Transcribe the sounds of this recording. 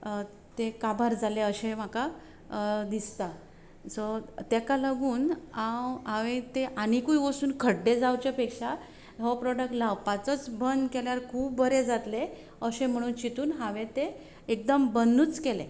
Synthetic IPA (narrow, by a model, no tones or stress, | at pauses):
t̪ekabʱaɾd͡zaleəɕẽm̤aka | d̪ist̪a | sɔt̪ekalaɡuːnawãʋẽt̪eʔañikuiʋəsuːnkʰəɽɖed͡zawt͡ɕepekʂa | ɦɔpɾɔɖək̚ʈlawpat͡sət͡sbənd̪keljaɾkʰuːbːəɾed͡zat̪le | əɕẽm̤əɽ̃uːnt͡ɕit̪uːnɦãʋẽt̪e | ek̚d̪əmbənuːt͡skelḛ